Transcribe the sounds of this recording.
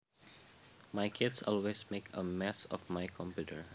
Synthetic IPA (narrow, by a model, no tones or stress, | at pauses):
majkʰɪdsɔlwesmekʰəmɛsɔ̰fmajkʰɔ̃mpjutə̰ɹ